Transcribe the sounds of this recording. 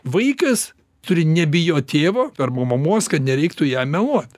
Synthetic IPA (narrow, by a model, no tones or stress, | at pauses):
ʋɐɪkɐs | t̪ʊɾʲɪnʲɛbʲɪjoːt̪ʲeːʋoːɐrmomɐmuɔskɐt̪nʲɛɾʲɛɪkt̪ʊjæːmʲɛlˠuɔt̪